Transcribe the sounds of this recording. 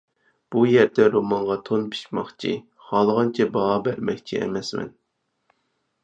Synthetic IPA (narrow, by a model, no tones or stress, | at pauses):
b̥ujɛɾd̪ɛɾomɑɴʁɑt̪ʰonpʰi̥ʃʲmɑχt͡ʃʰḭ | χɑlˠʁɑnt͡ʃʰɛbɑʁɑbæɾmɛkʲt͡ʃʰiʔɛ̰mɛsmɛ̰n